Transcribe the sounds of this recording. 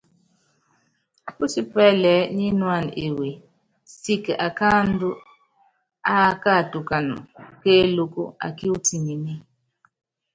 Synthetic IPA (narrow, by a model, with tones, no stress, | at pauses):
a˨ku˦si˦pɛ˦lɛ˨˦ɲi˦nwa˦˨n˨ḛ˨we˨ | si˦kʔa˨ka˦n˦du˦ | a˦ka˦˨tu˨ka˨nṵ˨ke˦lo˦ko̰˦a̰˨ki˦u˦ti˨ŋi˨ni˦